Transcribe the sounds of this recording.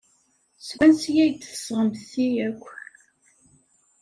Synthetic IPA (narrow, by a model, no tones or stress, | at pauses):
swʷænsjæjt̪ːə̥sʁəmθiækʷː